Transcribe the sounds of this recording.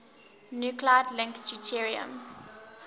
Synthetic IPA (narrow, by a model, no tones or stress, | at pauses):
njukladlɪ̃ŋkd͡ʒutʰiɹiə̰̃m